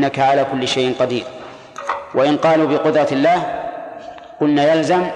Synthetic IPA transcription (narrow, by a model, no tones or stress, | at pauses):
nːakaʕalaːkʊlːɪʃajʔɪnqɑd̪ḭːɾ | wʔaʔɪnqɑːluːbɪqʊd̪ɾˤɑt̪ɪlːaːh | qʊlnaːjalzam